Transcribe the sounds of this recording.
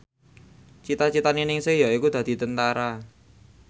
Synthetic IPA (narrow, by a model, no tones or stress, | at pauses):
t͡ʃit̪at͡ʃit̪aninɪŋsejaikud̪̥ä̤d̪̥i̤t̪ənt̪aɾa